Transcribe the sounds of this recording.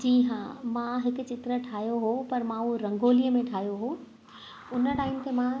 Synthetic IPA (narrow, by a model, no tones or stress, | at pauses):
d͡ʑiːɦãːmãɦɪkʊ̆t͡ɕɪt̪ɾəʈʰaːɦjoɦopɐɾmãuɾɐ̃ŋɡoːlijəmẽʈʰaːɦjoɦoː | ʊnəʈaːɪmt̪emã